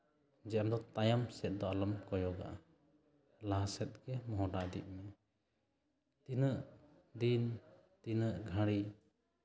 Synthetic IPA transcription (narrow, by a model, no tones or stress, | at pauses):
d͡ʒɛʔamd̪ɔt̪ajamsɛt̪̚d̪ɔaləmkɔjɔɡa̰ʔa̰ | laɦasɛt̪̚ɡɛmɔɦɔɖaʔd̪ḭʔ̪̚mɛ | t̪inəʔ | d̪int̪inəʔɡʱaɽi